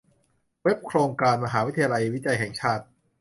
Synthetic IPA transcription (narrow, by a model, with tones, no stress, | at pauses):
we˦˥p̚kʰɾoː˧ŋkaː˧nma˧ɦaː˩˦wt̪ʰa˧a˧la˧jwi˦˥t̪̚t͡ɕa˧jɦɛː˨˩ŋt͡ɕʰaː˥˩t̪̚